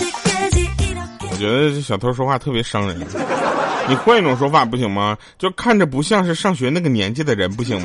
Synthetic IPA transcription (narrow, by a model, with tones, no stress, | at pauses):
wɔ̰˨˩t͡ɕɥɛ˧˥d̪ə˧˥˩ɕjɑ˨˩ʊt̪ʰo˧˥ʊʂ̬wɔ˥fwa˥˧˩t̪ʰɤ˥˩pjɛ˧˥ʂɑ˥ŋɻə̰˧˥n | ni˨˩xwɛ˥˧˥i˥˩ʈ͡ʂʊ˨˩ŋʂwɔ˥fa˨˩p̬u˥˩ɕi˨˩ŋmɐ˩ | t͡ɕjo˥˧ʊkʰa˥˩nʈ͡ʂə˩p̬u˧˥ɕ̬jɑ˥˧ŋʂ̬ɻ̩˥˧ʂɑ˥˩ŋɕɥɛ˧˥na˥˩ɡə˩njɛ̰˧˥nt͡ɕɛ˥˩d̪ə˩ɻə˧˥npu˥˩ɕ̬ḭ˨˩ŋm˧